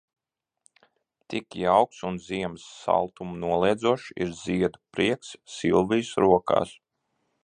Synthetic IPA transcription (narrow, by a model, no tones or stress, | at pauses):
t̪ikjawksunziɛmsːa̰lˠt̪umnuɔlˠɛjd̪zuɔʃḭɾz̥iɛd̪upɾiɛksːilˠvijsɾuɔka̰ːs